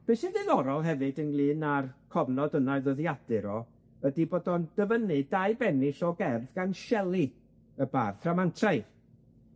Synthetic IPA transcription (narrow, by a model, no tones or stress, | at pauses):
b̥esɨðɨðɔɾɔlˠɦɛvɨdənlˠɨːnarkʰɔvnɔdənaɨðɔðjad̥ɨɾɔ | ədiboːdɔnd̥əvənɨdajbɛnɪsɔɡɛrðɡanʃɛlˠi | əbarθramantʰraj